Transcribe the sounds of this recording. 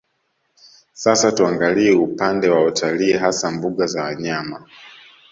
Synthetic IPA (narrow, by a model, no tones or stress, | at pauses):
sasatuaŋɡaliɛupandɛwaɔtʰaliɛɦasambuɠazawaɲama